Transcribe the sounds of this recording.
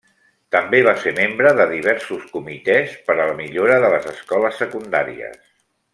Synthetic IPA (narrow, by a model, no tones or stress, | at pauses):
t̪əmbeβ̞aseɾmembɾəðəðiβ̞ɛɾsuskumit̪ɛspəɾələmiʎoɾəðələzəskɔləsːəkund̪a̰ɾḭə̰s